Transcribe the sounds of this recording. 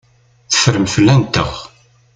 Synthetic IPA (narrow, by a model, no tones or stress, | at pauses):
θə̥fəɾəmfəlːænt̪ə̰ʁ